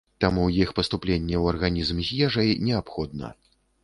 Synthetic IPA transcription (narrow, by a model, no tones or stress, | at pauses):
t̪amujixpɐst̪uplʲenʲːɛwɐrɣanʲizmzʲjɛʐɐjnʲɛapxɔd̪̚nɐ̰